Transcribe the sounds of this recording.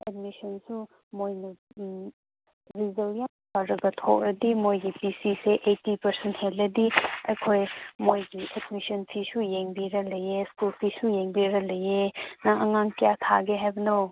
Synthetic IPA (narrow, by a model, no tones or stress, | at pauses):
et̚misɐnsu | mojnɐ | ɾizewijanpaɾɐɡɐtʰo̰k̚ɾɐdimojɡipisiseʔejtipɐɾsenthelːɐdiɐjkʰojmojɡiʔedmisɐnpʰisujeŋbiɾɐlɐjeskulpʰisujeŋbiɾɐlɐjenɐʔɐŋaŋtijatʰa̰ɡeɦajbɐnow